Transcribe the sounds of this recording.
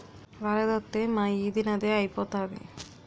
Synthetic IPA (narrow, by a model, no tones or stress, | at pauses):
ʋaɾɐd̪ot̪ːemaːiːd̪inɐd̪eːɐjpoːt̪aːdḭ